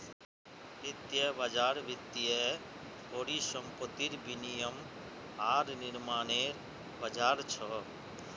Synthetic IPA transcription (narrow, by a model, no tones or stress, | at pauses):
ɪt̪jebəd͡ʒaːɾʋɪt̪ːijɛ | koːɾisəmpət̪iɾbinijəm | ɦaːɾnɪɾmaːneːɾ | bəd͡ʒaːɾt͡ʃʰɔ